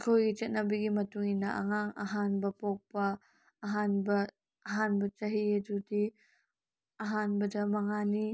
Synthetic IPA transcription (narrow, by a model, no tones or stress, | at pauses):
kʰojɡit͡ʃɐt̚nabiɡimɐtuŋinːɐʔɐ̰ŋaŋɐ̰ɦanbɐpɔk̚pɐː | ɦanbɐː | ɦanbɐt͡ʃɐɦiɐdudi | ɐɦanbɐdɐmɐŋani